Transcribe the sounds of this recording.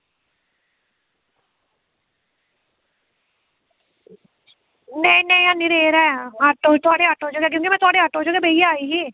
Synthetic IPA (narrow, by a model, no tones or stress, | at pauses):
neĩnɛ̃ĩãːnɪɾeːɾɛːaʈot̪ʊaːɽeːaːʈoːd͡ʒoːɡɛːk̬jõːkimɛ̃ːt̪ʊaːɽeːaːʈõːd͡ʒoːɡeːbeijaːiːɦiː